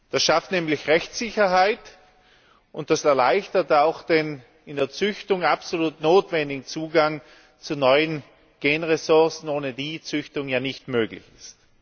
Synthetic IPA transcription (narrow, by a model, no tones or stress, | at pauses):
d̥asʃaftnɛːmlɪçʁɛçt͡sɪçɐɦaɪt | ʊnt̚d̥asɛɐlaɪçtɐtaʊxd̥en | ɪndeːɐt͡sʏçtʊŋapsoluːtnoːtv̥ɛndɪɡŋ̩t͡suːɡaŋ | t͡sunɔʏən | ɡ̥eːnʁesʊɐsn̩oːnədiːt͡sʏçtʊŋjaːnɪçtmøːɡlɪ̰çɪst